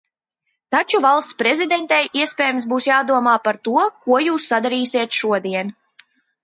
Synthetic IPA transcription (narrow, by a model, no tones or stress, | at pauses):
t̪at͡ʃuvalˠst̪spɾɛzid̪ɛnt̪ɛjʔiɛspʲɛːjmsbuːsjaːd̪uɔmaːpaɾt̪uɔkuɔjuːsːad̪aɾiːsʲiɛt̪ʃuɔd̪iɛn